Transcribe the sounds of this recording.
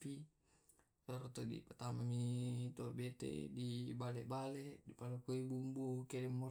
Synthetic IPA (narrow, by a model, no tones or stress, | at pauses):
pi | saɾot̪ɔdḭpat̪amamit̪obɛt̪ḛdibalɛʔbalɛʔdipalokoibumbukɛdɛmːɔ